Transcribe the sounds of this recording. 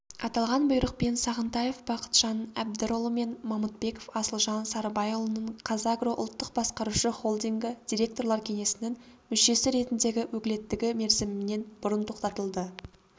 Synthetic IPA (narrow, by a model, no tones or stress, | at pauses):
ɑt̪ɑlˠʁɑnbʊjɾəq̚pensɑʁənt̪ɑje̞fbɑqə̥t̪ʒ̥ɑnæb̚d̪ɪɾolˠəme̞nmɑmut̪̚be̞kofɑsəlˠʒɑnsɑɾbɑjolˠənəɴqʰɑzɑɡroʔʊ̰lˠt̪ːəq̚bɑsqɑɾuʃəχo̞lˠd̪ijŋɡɪd̪̥ʲijɾe̞k̚t̪o̞ɾlˠɑɾkʲʰe̞ŋe̞sɪnɪŋ | mʏʃe̞sɪɾe̞t̪ɪnd̪e̞ɡʲɪwɵkʲɪle̞t̪ːɪɡʲɪme̞ɾzɪmɪne̞nbʊɾənt̪ʰo̞qt̪ɑt̪əlˠd̪ə